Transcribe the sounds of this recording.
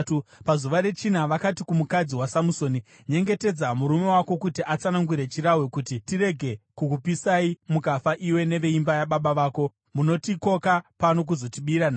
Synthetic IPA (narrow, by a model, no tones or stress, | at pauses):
upazuʋaɾe̞t͡ʃinaʋakatikumukad͡ziwasamuso̞ni | ɲe̞ŋɡe̞te̞d͡zamuɾume̞wako̞kutiʔat͡sanaŋɡuɾe̞t͡ʃiɾawekutitiɾe̞ɡʱe̞kukupisaimukafaʔiwe̞ne̞ʋe̞imbajaɓaɓaʋaːko̞ | muno̞tiko̞kapano̞k̬uzo̞tiɓiɾana